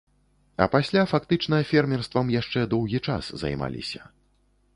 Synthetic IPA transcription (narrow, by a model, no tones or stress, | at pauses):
ɐ̰pasʲlʲafakt̪ɨt͡ʂnɐjɐfʲɛrmʲɛrst̪vɐmjaʂt͡ʂɛd̪ɔwɣʲit͡ʂa̰szɐ̰jma̰lʲḭsʲɐ